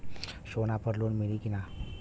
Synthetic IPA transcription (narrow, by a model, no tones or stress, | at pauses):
ɕonapəɾlonmilikina